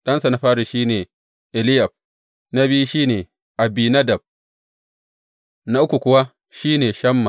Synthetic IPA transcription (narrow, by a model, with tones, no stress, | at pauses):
ɗɐ˦nsa˨na˦ɸaː˦ɽi˨ʃiː˦neː˨ | ʔɪ˨lɪ˦ja˨ɸ̚ | na˦bi˦u˦ʃiː˦neː˨ | ʔa˨biː˨na˦dɐ˨b̚ | na˦ʔʊ˦kʷu˨kʷʊ˨˦wa˦ | ʃiː˦neː˨ʃɐ˦mːa˨